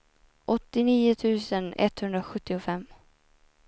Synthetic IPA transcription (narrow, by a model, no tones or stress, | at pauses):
ʔɔt̪ːɪniːʊt̪ʰʉ̟ːsənɛ̰t̪hɵnd̪ɾaɧɵt̪ːɪʊfɛmː